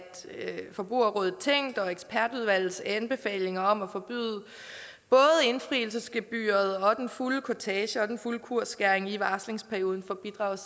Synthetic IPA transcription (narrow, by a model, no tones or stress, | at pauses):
fɒ̽b̥ʁṵɐʁɔːð̩ˠt͡sʰeŋ̰d̥ɒ̽eɡ̥spʰæɐd̥uð̞ˠʋæl̰ð̩ˠsænb̥e̝fɛ̰ːle̝ŋɐɒ̽mæfɒ̽b̥y̰ːðˠə | b̥ɔ̽ːð̩ˠe̝nfʁḭːl̩səsɡ̥eb̥y̰ːɐð̩ˠɒ̽d̥enfuləkʰot͡sʰɛːɕəɒ̽d̥enfuləkʰuɐ̰sɡ̥æɐeŋiʋɑ̈ːsle̝ŋspʰæɐjo̝ːð̞ˠn̩fɒb̥id̥ʁɑ̈ʊs